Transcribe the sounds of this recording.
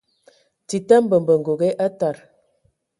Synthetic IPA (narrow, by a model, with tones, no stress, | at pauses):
ti˨ta˦m˦bə˨m˨bə˨ŋ̩˨ɡo˨ɣe˦ʔa˦ta˨ɾ